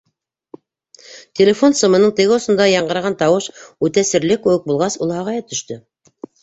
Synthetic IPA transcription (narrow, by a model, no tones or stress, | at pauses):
t̪ʲelʲefo̞nsɤ̆mɤ̆nɤɴt̪ɘ̆ɡɘosŏnd̪ɑjɑɴɢɤ̆ɾʁɑnt̪ɑwɤʃʉt̪æsɘ̆ɾlɘkːʉwɘk̚bulˠʁɑsulˠhɑʁɑjɑt̪ɵ̆ʃt̪ɵ